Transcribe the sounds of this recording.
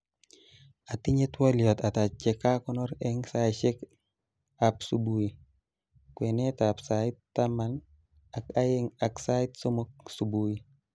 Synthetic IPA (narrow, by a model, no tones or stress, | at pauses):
atiɲetwɔljɔt̪atat͡ʃɛkakɔnɔɾɛŋsajʃek | apsubuji | kwenetapsaɪttːaman | akajeŋaksaitsomok̚subui